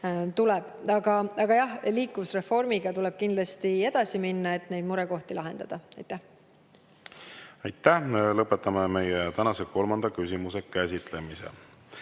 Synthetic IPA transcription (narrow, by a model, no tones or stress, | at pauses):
t̪ulɛb̥ɑɡ̥ɑɑɡ̥ɑjɑhliːkːˑusre̞fo̞rmiɡ̥ɑt̪ulɛb̥̚kind̪lɑst̪ie̞d̪̥ɑsiminːɑe̞t̪ːˑne̞jd̪̚muɾeko̞ht̪ilɑɦe̞nd̪̥ɑ̰d̪̥ɑɑjt̪ːˑæh | ɑjt̪ːæhlɤpːˑe̞t̪ːˑɑmeme̞jet̪ænɑseko̞lmɑnd̪̥ɑkysʲimuse̞kæsʲit̪ˑle̞misḛ